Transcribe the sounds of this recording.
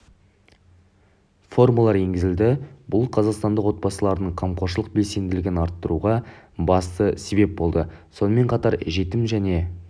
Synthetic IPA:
fo̞rmulˠɑɾe̞ŋɡʲɪzɪld̪ɪbʊlˠqʰɑzɑqst̪ɑnd̪əqwo̞t̪̚bɑsəlˠɑɾənəɴqʰɑmqʰo̞ɾʃ̬əlˠəq̚be̞lse̞nd̪ɪlɪɡʲɪnɑɾt̪ːəɾuʁɑbɑst̪əse̞be̞p̚bo̞lˠd̪əso̞nəme̞ɴqʰɑt̪ɑɾʒe̞t̪ɪmʒæne̞

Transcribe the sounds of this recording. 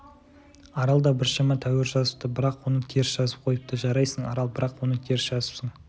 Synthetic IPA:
ɑɾɑlˠd̪ɑbɪɾʃɑmɑt̪ʰæweɾʒɑzəp̚t̪əbɪɾɑqwo̞nət̪ʲʰeɾsʒ̥ɑzəp̚qʰo̞jəp̚t̪əʒɑɾɑjsəɴɑ̰ɾɑlˠbɪɾɑqwo̞nət̪ʲʰeɾsʒɑzəpsəɴ

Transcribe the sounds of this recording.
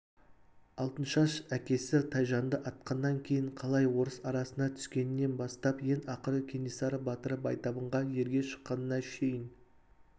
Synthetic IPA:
ɑlˠt̪ənʃɑʃækʲe̞sɪt̪ʰɑjʒɑnd̪əʔɑt̪̚qɑnːɑŋkʲʰe̞jɪɴqʰɑlˠɑjwo̞ɾəsɑɾɑsənɑt̪ʰʏ̥skʲe̞nɪnːe̞nbɑst̪ɑpje̞nɑqəɾəkʲʰe̞nisɑɾəbɑt̪əɾəp̚ɑjt̪ɑbəɴʁɑje̞ɾɡʲe̞ʃə̥qːɑnənɑʃʲʰe̞jɪn

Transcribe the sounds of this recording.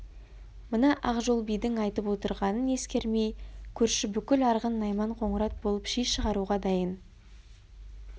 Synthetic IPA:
mənɑʔɑqʒo̞lˠbijd̪ɪŋɑjt̪əpwot̪əɾʁɑnəne̞skʲe̞ɾmejkʲʰɵɾʃɪbʏkʲɪlɑɾʁənːɑjmɑɴqʰo̞ɴəɾɑt̪̚bo̞lˠəpʃijʃəʁɑɾuʁɑd̪ɑjən

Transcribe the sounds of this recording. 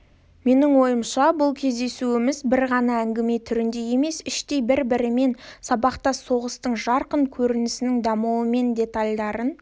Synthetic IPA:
me̞nɪŋwo̞jəmʃɑbʊlˠkʲʰe̞zd̪e̞suɪmɪzbɪɾʁɑnɑæŋɡʲɪme̞t̪ʰʏɾɪnd̪e̞je̞me̞sɪʃt̪e̞jbɪɾbɪɾɪme̞nsɑbɑqt̪ɑso̞ʁəst̪əɴʒɑɾqəɴkʲʰɵɾɪnɪsɪnɪŋd̪ɑmuwəme̞nd̪ʲe̞t̪alʲd̪ɑɾən

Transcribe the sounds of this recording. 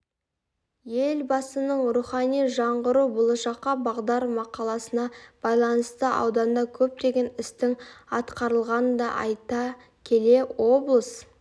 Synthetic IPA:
je̞lbɑsənəɴɾuχɑnijʒɑɴʁəɾubolˠɑʃɑqːɑbɑʁd̪ɑɾmɑqɑlˠɑsənɑb̥ɑjlˠɑnəst̪əʔɑ̰wd̪ɑnd̪ɑkʲʰɵp̚t̪e̞ɡʲe̞nɪst̪ɪŋɑt̪qɑɾəlˠʁɑnd̪ɑ̰ʔɑ̰jt̪ɑ | kʲʰe̞le̞wo̞blˠəs

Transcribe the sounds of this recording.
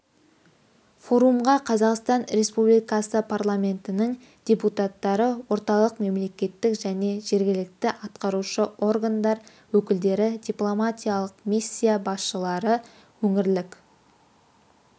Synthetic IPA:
fo̞ɾumʁɑqʰɑzɑqst̪ɑnɾe̞spublijkɑsəpʰarlˠamʲe̞nt̪ɪnɪŋ | d̪̥ʲeput̪at̪ːɑɾəwo̞ɾt̪ɑlˠəqme̞mle̞kʲe̞t̪ːɪkʒæne̞ʒe̞ɾɡʲɪlɪk̚t̪ɪʔɑt̪qɑɾuʃəo̞rɡand̪ɑɾ | wɵkʲɪld̪e̞ɾɪd̪ʲijplˠo̞mat̪ʲijalˠəqmisʲːijabɑsʃəlˠɑɾə | wɵŋɪɾlɪk

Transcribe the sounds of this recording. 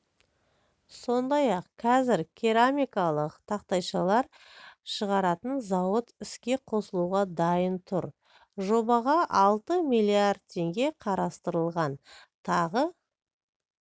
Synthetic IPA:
so̞nd̪ɑjɑqqʰɑzɪɾkʲʰeɾamijkɑlˠəqt̪ʰɑqt̪ɑjʃɑlˠɑɾ | ʃəʁɑɾɑt̪ənzɑwət̪ɪskʲe̞qʰo̞səlˠuʁɑd̪ɑjənt̪ʰʊɾ | ʒo̞bɑʁɑʔɑlˠt̪əmijlʲˠiard̪̚t̪ʰːe̞ŋɡʲe̞qʰɑɾɑst̪əɾəlˠʁɑnt̪ʰɑʁə

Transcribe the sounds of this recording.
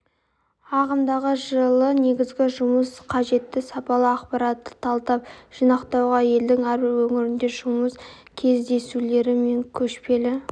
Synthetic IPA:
ɑʁəmd̪ɑʁəʒəlˠəne̞ɡʲɪzɡʲɪʒʊməsqʰɑʒe̞t̪ːɪsɑpɑlˠəɑqpɑɾɑt̪ːə̥t̪ʰɑlˠt̪ɑpʒ̥inɑqt̪ɑwʁɑje̞ld̪ɪŋæɾbɪɾwɵŋɪɾɪnd̪e̞ʒʊməs | kʲʰe̞zd̪e̞sule̞ɾɪme̞ŋkʲʰɵʃpe̞lɪ

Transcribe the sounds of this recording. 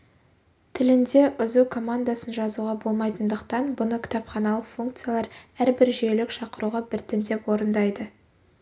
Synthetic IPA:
t̪ʰɪlɪnd̪e̞ʔʏzukʰo̞mand̪asənʒɑzuʁɑbo̞lˠmɑjt̪ənd̪əqt̪ɑnbʊnəkʲʰɪ̥t̪ɑpχɑnɑlˠəqfuŋkt̪sɨjalˠɑɾæɾbɪɾʒielɪkʃɑqəɾuʁɑbɪɾt̪ɪnd̪e̞pwo̞ɾənd̪ɑjd̪ə

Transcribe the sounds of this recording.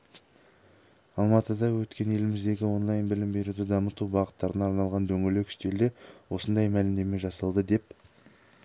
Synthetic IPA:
ɑlˠmɑt̪əd̪ɑwɵt̪kʲe̞nje̞lɪmɪzd̪e̞ɡʲɪwo̞nlˠɑjnbɪlɪmbe̞ɾud̪ɪd̪ɑmət̪ubɑʁət̪ːɑɾənɑɾnɑlˠʁɑnd̪ɵŋɡʲelekʲʰʏ̥ʃt̪e̞ɾd̪e̞wo̞sənd̪ɑjmælɪmd̪e̞me̞ʒɑsɑlˠd̪əd̪e̞p̚

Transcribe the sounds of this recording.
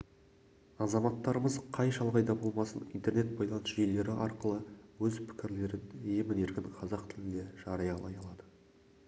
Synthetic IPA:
ɑzɑmɑt̪ːɑɾəməzqʰɑjʃɑlˠʁɑjd̪ɑbo̞lˠmɑsənint̪e̞ɾne̞t̪̚bɑjlˠɑnəsʒijle̞ɾɪʔɑɾqəlˠəwɵzpʰɪ̥kʲɪɾle̞ɾɪnemɪne̞ɾkʲɪnqʰɑzɑq̚t̪ʰɪlɪnd̪e̞ʒ̥ɑɾɑjɑlˠɑ̰jɑlˠɑd̪ə

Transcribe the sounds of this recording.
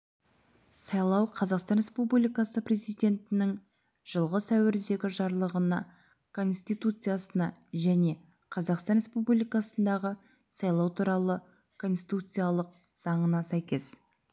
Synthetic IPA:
sɑjlˠɑwqʰɑzɑqst̪ɑnrʲɾe̞spublijkɑsəpre̞zijd̪ʲe̞nt̪ɪnɪŋ | ʒ̥əlˠʁəsæwɪɾd̪e̞ɡʲɪʒɑɾlˠəʁənɑ̰ | kʰo̞nst̪ijt̪ut̪sɨjasənɑʒæne̞ | qʰɑzɑqst̪ɑnɾʲespubllijkɑsənd̪ɑʁə | sɑjlˠɑwt̪ʰuɾɑlˠə | kʰo̞nsit̪ut̪sɨjalˠəq̚ | z̥ɑɴənɑsæjkʲe̞s

